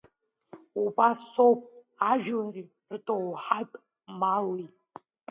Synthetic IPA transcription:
ubasowpʼ | aʒᶣlari | rtʼowħatʼ | mali

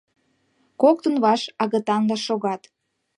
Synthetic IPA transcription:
kok̚t̪ənβɑʃɑɣɤ̆t̪ɑnd̪ɑʃoɣɑt̪

